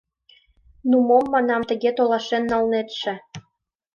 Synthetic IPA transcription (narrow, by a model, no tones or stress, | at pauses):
numomːɑnɑmt̪ə̆ɣet̪olɑʃenːɑlnet̪ʃĕ